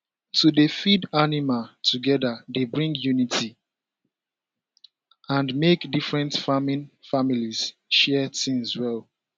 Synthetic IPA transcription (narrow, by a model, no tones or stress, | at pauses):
tʰudefidanimatʰuɡɛdadebɹĩŋɡjunitʰi | ãnmekdifɹɛ̃ntfamĩnfamiliz̥ʃɛtĩnswɛl